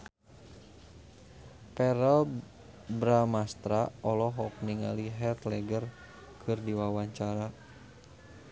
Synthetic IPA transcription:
pɛɾəl | bɾamast̪ɾaɔlɔɦɔk̚niŋa̰liɦɛt̪lɛɡər | kʰɨrdiwawaɲt͡ʃaɾa

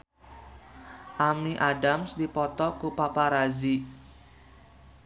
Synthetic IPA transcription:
ʔamiʔadamsdipɔt̪ɔkupapaɾazi

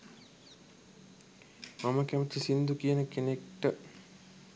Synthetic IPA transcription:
maməkæmət̪isind̪ukijənəkenekʈə

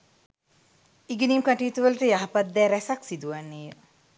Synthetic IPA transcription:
iɡeniːmkaʈiːt̪uʋələʈəjaɦapat̪ːɛːɾæsaksid̪uʋanːeːə

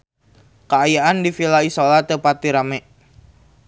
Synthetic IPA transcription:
kəajaʔandifilaisolat̪əpat̪iɾamɛʔ

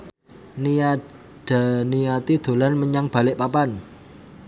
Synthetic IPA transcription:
nia | d̥a̤nijat̪id̪̥o̤lanməɲaŋb̥a̤lɪʔpapan

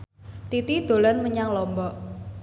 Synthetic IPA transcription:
t̪it̪id̪̥o̤lanməɲaŋlɔmbɔʔ

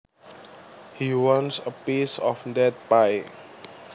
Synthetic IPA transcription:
hiwɔ̃nsəpisɔfdɛt̚paj

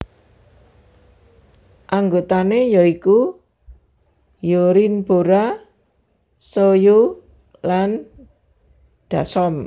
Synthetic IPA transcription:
ʔaŋɡot̪anejɔiku | joɾinb̥oɾa | sojo | lan | d̪̥a̤sɔm

